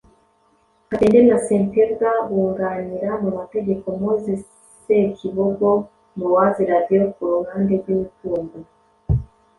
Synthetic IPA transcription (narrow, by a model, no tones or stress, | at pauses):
atendenasenteɾɡawuŋɡaɲiɾamumateɡekomozi | sekʰiβoɡo | muwaziɾadiokuɾuŋandezwiβituːmɡu